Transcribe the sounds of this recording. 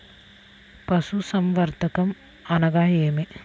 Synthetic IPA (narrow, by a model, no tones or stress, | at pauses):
pɐsusɐmʋɐɾt̪ɐkɐm | ɐnɐɡaːjeːme